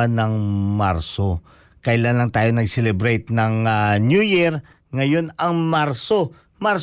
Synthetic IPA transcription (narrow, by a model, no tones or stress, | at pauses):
anɐŋmaɾso | kɐʔɪlanlɐŋt̪aːjonɐɡsɛlɛbɾɛjt̪nɐŋanjujiɾ | ŋɐjo̞nɐŋmaɾso | maɾ